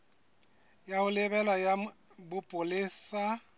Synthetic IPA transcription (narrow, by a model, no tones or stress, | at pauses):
jaʊlɪbɛlaja | bʊpʼʊlɪsa